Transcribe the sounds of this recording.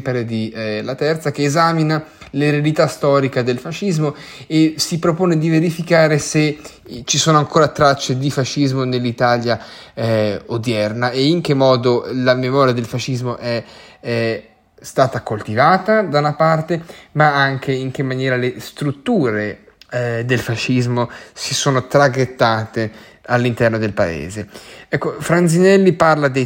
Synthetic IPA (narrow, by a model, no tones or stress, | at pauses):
peɾed̪ilat̪ɛrt̪sak̟eːzaːminaleɾealit̪ast̪ɔːɾikad̪elfaʃizmo | esipɾopoːned̪iveɾifikaːɾese | t͡ʃisoːnoaŋkoːɾat̪ɾat͡ʃːed̪ifaʃizmonelːit̪alja | od̪jɛrnaeiŋk̟emːɔːd̪olamemɔːɾjad̪elfaʃːizmoʔɛ | st̪aːt̪akolt̪ivaːt̪ad̪anapart̪emaaŋk̟eiŋk̟emːanjɛːɾalest̪ɾut̪ːuːɾe | d̪elfaʃizmosisoːnot̪ɾaɡet̪ːaːt̪e | alːint̪ɛrnod̪elpaḛːzeɛkːofɾanzinɛlːiparlad̪e